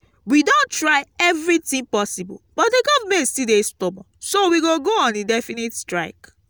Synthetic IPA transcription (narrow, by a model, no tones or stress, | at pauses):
widõntɹaɪɛvɹitĩŋpɔsibɔ̰lb̥ɔtdeɡɔdmesidestɔbɔ̰̃sowiɡoɡoɔ̃nedɛfinitstɹaɪk